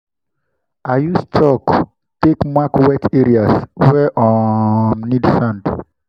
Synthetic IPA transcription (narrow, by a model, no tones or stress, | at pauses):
ajustʰɔk | tekmakwɛtʰɛɹiaswɛʔɔmnidsãnd